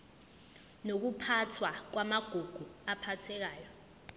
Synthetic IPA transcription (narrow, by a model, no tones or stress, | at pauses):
nok̬upʰatʰwak̬wamaɡ̥ʱuɡ̥ʱuapʰatʰɛk̬aːjɔ